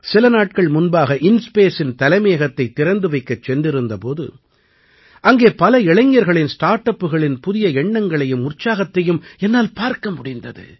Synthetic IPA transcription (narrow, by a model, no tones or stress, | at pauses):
sɪlɐnaːʈ̚kɐɭmʊnbaːɣɐʔɪnspeːsɪnt̪ɐlɐɪmeːɣɐt̪ːɐɪt̪ːɪɾɐnd̪ɯʋɐɪkːɐt͡ʃːɛnɖɪɾɯnd̪ɐpoːðɯ̰ | ʔɐŋɡeːpɐlɐɛɭɐŋjɐɾɣɐɭɪnsʈaːɾʈɐpːɯɣɐɭɪnpʊðɪjɐɛɳːɐŋɡɐɭɐjɯmʊrt͡ʃaːɣɐt̪ːɐjɯmɛnːaːlpaːɾkɐmʊɽɪnd̪ɐ̰ðɯ̰